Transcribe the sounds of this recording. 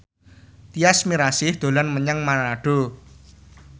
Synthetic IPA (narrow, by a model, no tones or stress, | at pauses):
t̪iasmiɾasɪhd̪̥o̤lanməɲəŋmanaɖ̥o̤